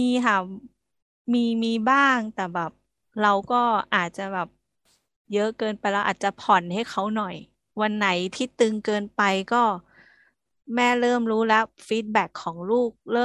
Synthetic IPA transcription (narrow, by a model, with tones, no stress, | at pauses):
iː˧kʰa˧˩ | miː˧miː˧baː˥˩ŋt̪ɛː˨˩bɛː˨˩p̚ | ɾa˧wkɔː˥˩ʔaː˨˩t̪̚t͡ɕa˨˩bɛː˨˩p̚ | jɤ˦˥ʔkɤː˧npa˧jɾa˧wʔa̰ː˨˩t̪̚t͡ɕa˨˩pʰɔ˨˩nɦa˥˩jkʰa˦˥wnɔ˨˩j | wa˧nːa˩˦jt̪ʰiː˥˩t̪ɯ˧ŋkɤː˧npa˧jkɔː˥˩ | mɛː˦˥ɾɤː˥˩mɾuː˦˥lɛ˦˥fiː˦˥t̪̚bɛ˦˩kʰːɔː˩˦ŋluː˥˩k̚lɤː˥˩˨